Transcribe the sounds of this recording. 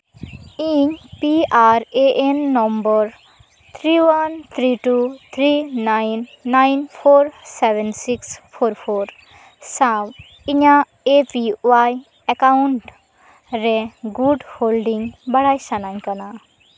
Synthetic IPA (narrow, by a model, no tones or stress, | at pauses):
iɲpiaɾeʔenːɔmbɔɾ | t̪ʰɾiwant̪ʰɾiʈut̪ʰɾinajnːajnpʰoɾseʋensikspʰoɾpʰoɾ | sãw | iɲa | epiwaj | ekauɳʈ | ɾeɡuɖholɖiŋbaɽajsanaɲkana